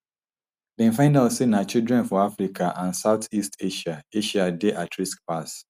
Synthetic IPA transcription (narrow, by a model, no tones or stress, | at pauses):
dɛ̃nfãɪ̃ndaʊtsenat͡ʃildɹɛ̃nfɔafɹikʰaʔãnsaʊtʰistʰeʃaeʃadeʔatʰɹisk̚pas